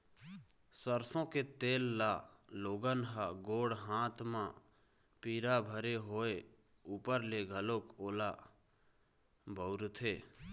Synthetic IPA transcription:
səɾsõːket̪eːlːaːloːɡənɦaɡoːɽɦãːt̪ʰmã | piːɾabʱəɾeɦoːe | uːpəɾleɡʱəloːkoːla | bʱəʊɾt̪ʰeː

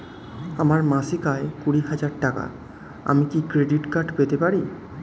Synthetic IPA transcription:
amaɾmãsekaekuɽiɦad͡ʑaɾʈaka̰ | a̰mikikɾeɖiʈkaɾɖpet̪epaɾi

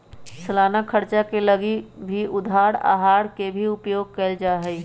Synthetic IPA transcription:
səlaːnakʰəɾt͡ʃakeləɡibʱiʔʊd̪ʱaːɽa̰ːɦaːɽkebʱiʊpjoːɡ̚kəld͡ʒaːɦəi

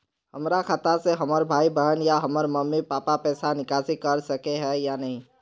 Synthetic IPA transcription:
həmɾakʰat̪aseɦəməɾbʱaːibəɦənjaɦəməɾməmːipaːpapɛːsanɪkaːsɪkəɾsəkeɦɛjanɐɦĩ

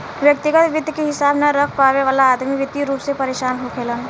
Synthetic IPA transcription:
ʋjɐk̚t̪ɪɡət̪ʋɪd̪ʱjkeɦɪsaːbnɐɾɐkʰpaːʋeʋaːlaːd̪miʋɪd̪iɾuːpsepɐɾeːʃaːnɦokʰeːlən

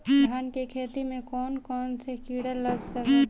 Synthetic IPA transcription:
dʱaːnkekʰeːt̪imẽkɔːnkɔːnsekiːɽəlɐɡsɐke

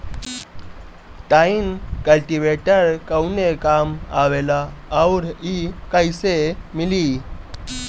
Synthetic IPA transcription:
ʈainkəlʈiʋeʈəɾkəwnekamaʋelaːwɾikajsemili

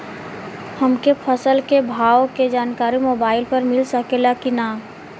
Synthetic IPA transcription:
həmkepʰəsəlkebʱaːʋoked͡ʒaːnkaːɾimoːbaːɪlpəɾmɪlsəkelakinaː

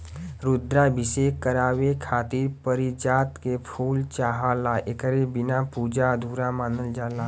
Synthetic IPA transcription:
ɾud̪ɾabʱɪsekəɾaːwekʰaːt̪iɾpəɾid͡ʒaːt̪kepʰuːlt͡ʃaːɦaːlaʔekəɾebɪnapuːd͡ʒad̪ʱuːɾamaːnəld͡ʒaːlaː

